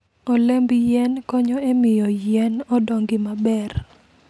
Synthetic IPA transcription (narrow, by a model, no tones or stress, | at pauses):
ɔlɛmbjɛnkɔɲɔemɪjɔjɛnɔdɔŋɡɪmabɛr